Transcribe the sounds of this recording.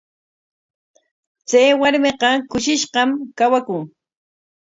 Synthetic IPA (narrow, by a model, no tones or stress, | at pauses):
t͡sajwaɾmeqɑkʊʃɪʃɢɑmkawakʊŋ